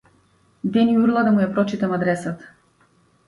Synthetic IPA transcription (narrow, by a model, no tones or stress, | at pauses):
d̪ɛniuɾlˠad̪amujapɾɔt͡ʃit̪amad̪ɾɛsat̪ḁ